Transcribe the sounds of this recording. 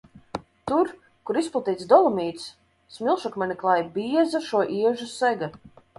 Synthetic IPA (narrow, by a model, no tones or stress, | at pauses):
t̪uɾ | kuɾisplˠat̪iːt̪sd̪ɔlˠɔmiːt̪s | smilˠʃɔkmʲɛnʲiklˠajbʲiɛzaʃuɔʔiɛʒusɛɡa